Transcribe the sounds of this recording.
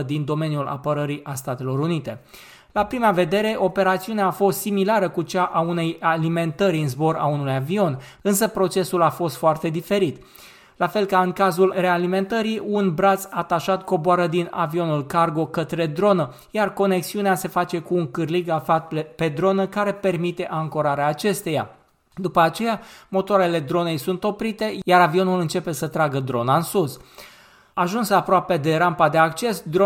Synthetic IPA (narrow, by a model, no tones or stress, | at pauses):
d̪ind̪o̞me̞njula̰pəɾəɾiʔast̪at̪e̞lo̞ɾunit̪e̞ | lapɾimave̞d̪e̞ɾe̞ʔo̞pe̞ɾat̪siuneaːfo̞st̪similaɾəkut͡ʃaʔaune̞jalime̞nt̪əɾiɨnzbo̞ɾa̰unuujavio̞n | ɨns̬əpɾo̞t͡ʃe̞sulafo̞st̪foart̪e̞d̪ife̞ɾit̪ | lafe̞lkaɨŋkazulre̞alime̞nt̪əɾiunbɾat̪sat̪aʃat̪ko̞boaɾəd̪ina̰vio̞nulkarɡo̞kət̪ɾe̞d̪ɾo̞nə | jarko̞ne̞ksiunease̞fat͡ʃe̞kuːŋkɨrliɡafat̪epe̞d̪ɾo̞nəkaɾe̞pe̞rmit̪e̞ʔaŋkoɾaɾeaːt͡ʃe̞st̪e̞ja̰ | d̪upəat͡ʃe̞jamo̞t̪oaɾe̞le̞d̪ɾo̞ne̞jsunt̪o̞pɾit̪e̞jaɾavio̞nulɨnt͡ʃe̞pe̞sət̪ɾaɡəd̪ɾo̞naɨnsus | aʒunsapɾoape̞d̪e̞ɾampad̪e̞akt͡ʃe̞sd̪ɾo